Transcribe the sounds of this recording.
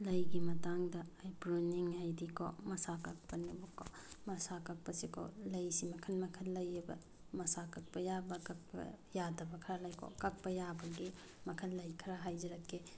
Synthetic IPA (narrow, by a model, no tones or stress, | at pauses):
lɐjɡimɐtaŋdɐajpɾuniŋhajdikʰɔ̰mɐsakak̚pɐnibukɔmɐsakak̚pɐsikʰɔ̰lɐjsimɐkʰɐnmɐkʰɐnlɐjɐbɐ̰ | mɐsakak̚pɐjabɐkak̚pɐ̰jadɐbɐkʰɐɾalajkʰɔ̰kak̚pɐjabɐɡi | mɐkʰɐnlɐjkʰɐɾaɦajd͡ʒɐɾɐkːe